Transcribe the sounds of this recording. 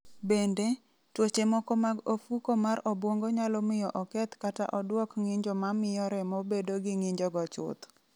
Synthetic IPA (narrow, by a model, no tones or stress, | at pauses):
bende | twot͡ʃemɔkomaɡofukomaɾɔbwoŋɡɔɲalɔmɪjɔʔɔkɛt̪kata̰ʔɔdwɔkŋɪɲd͡ʒɔmamɪjɔɾɛmobedoɡɪŋɪɲd͡ʒɔɡɔt͡ʃʊ̰t̪